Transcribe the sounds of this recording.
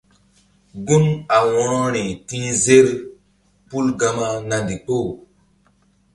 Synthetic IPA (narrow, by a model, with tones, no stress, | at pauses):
ɡu˦na˨wɔ˦ɾɔ˦ɾe˨ti˦ze˦ɾ | pu˦lɡa˦ma˦na˨ndi˨ko˦˨